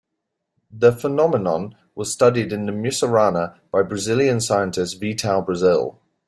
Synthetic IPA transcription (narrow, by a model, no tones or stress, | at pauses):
ðəfənɒmɪnə̃n | wɒz̥stʌdɪdɪ̃nðəmjʉsəɹaːnəb̥aɪbɹəzɪljə̃nsaɪə̃ntʰɪstviːˑtʰalˠbɹəzɪ̰lˠ